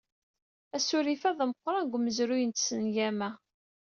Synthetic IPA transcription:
æsʊɾifæðˤəmqːɾˤɑnɡʷməzɾʊjənt̪sənjæmæ

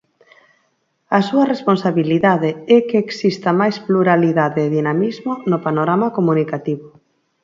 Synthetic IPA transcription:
ɐsuɐresponsaβiliðaðeɛkeːksist̪ɐmajspluɾaliðaðeːðinamizmonopanoɾamakomunikat̪iβʊ

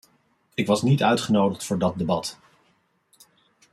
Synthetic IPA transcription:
ɪkʋɑsnitœɥtχənowdəχtfʊːɹdɑt̚debɑt

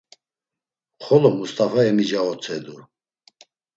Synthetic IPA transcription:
χɔlɔmust̪ʰʼafaɛmid͡ʒaɔt͡sʰɛd̪u

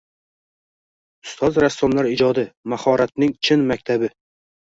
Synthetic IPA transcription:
ʊ̥st̪ʰɒzɾasːɒmlaɾɪd͡ʒɒd̪ɪmahɒɾat̪nɪŋt͡ʃʰɪnmak̚ʲt̪ʰabɪ

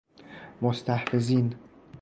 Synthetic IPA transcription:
most̪ʰæhfeziːn

